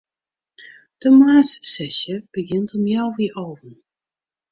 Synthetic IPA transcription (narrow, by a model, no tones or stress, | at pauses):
d̥əmaːssɛʃəb̥əɡɪntɔmjawʋɪːɹʔowvən